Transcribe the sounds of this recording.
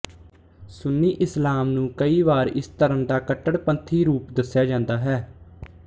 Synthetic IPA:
sʊnːiːʔɪslaːmnũːkəiːʋaːɾɪ̰st̪əɾənd̪aːkəʈːəɽpənt̪ʰiːɾuːpd̪əsːjaːd͡ʒãːnd̪aːɦɛː

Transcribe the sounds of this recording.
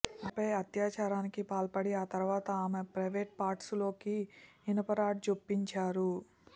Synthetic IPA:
ɐpɐjɐt̪jaːt͡ʃaːɾaːnikipaːlpɐɽiaːt̪ɐɾuʋaːt̪ɐaːmepɾɐjʋeːʈ̚paːɾʈslo̞ːkiː | nɐpɐɾaːʈ̚t͡ʃopːiɲt͡ʃaːɾu

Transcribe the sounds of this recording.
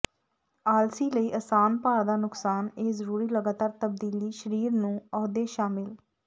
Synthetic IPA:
aːlsiːləiːʔəsaːnpaːɽd̪aːnʊksaːneːzəɾuːɾiːləɡaːt̪aːɾt̪əb̚d̪iːliːʃəɾiːɾnũːɔːd̪eːʃaːmɪl

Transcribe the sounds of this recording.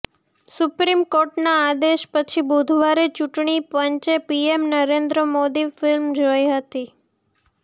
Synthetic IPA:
supɾimkoɾʈnaːd̪eʃpət͡ʃʰibud̪ʱʋaɾet͡ʃuʈɳ̃ipənt͡ʃepiemnəɾend̪ɾəmod̪ifɪlmd͡ʒojɦət̪i

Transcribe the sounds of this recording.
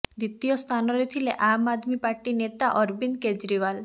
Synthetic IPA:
d̪it̪ijɔst̪ʰanɔɾet̪ʰileʔamad̪mipaɾʈinet̪aʔɔɾbind̪ked͡ʒɾiwal

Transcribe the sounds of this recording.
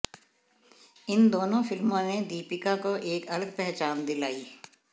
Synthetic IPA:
ɪnd̪oːnõfɪlmõned̪iːpɪkakoʔeːkɐləɡpɛɦt͡ʃaːnd̪ɪlaːiː

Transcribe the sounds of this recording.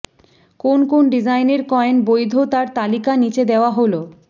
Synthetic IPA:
konkonɖid͡ʑajneɾkɔenbojd̪ʱot̪aɾt̪alikanit͡ɕed̪eoaɦolo

